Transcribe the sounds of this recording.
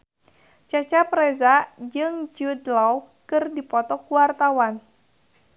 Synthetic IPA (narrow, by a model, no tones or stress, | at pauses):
t͡ʃat͡ʃapɾɛzad͡ʒɨŋd͡ʒud̪lɔwkɨrdipɔt̪ɔkuwart̪awan